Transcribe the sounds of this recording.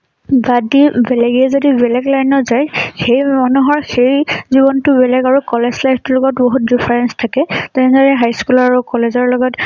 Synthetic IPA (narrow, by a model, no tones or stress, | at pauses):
badibɛlɛɡiɛzodibɛlɛɡlajnɔzajxejmanuɦɔɹxejziβɔntʊbɛlɛkaɹukɔlezlajtʊɹɔɡɔtboɦutdipʰaɹɛnstʰakɛtɛnzaɹɛɦajskulɔɹaɹukɔlezɔɹlɔɡɔt